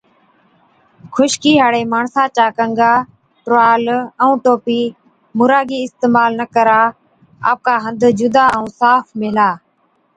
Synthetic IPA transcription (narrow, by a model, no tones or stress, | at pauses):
kʰʊʃkiːɦaːɽeːmaːɳsãːt͡ʃaːkəŋɡaː | ʈɾʊaːləũːʈoːpiː | mʊɾaːɡiːɪst̪eːmaːlnəkəɾaː | a̰ːp̚kaːɦənd̪ʱd͡ʒʊd̪aːəũːsaːfʰmɪːlaː